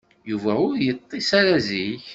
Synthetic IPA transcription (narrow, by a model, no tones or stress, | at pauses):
juvæʊɾjət̪ˤːisaɾæziç